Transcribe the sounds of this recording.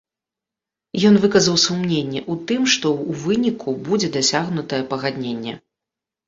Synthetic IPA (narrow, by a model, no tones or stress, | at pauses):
jɔnvɨkɐzɐwsumnʲenʲːɛʔut̪ɨmʂt̪ɔwvɨnʲikʰubud͡zʲɛd̪asʲaɣnut̪ɐjɛpɐɣad̪ʲnʲenʲːɛ̰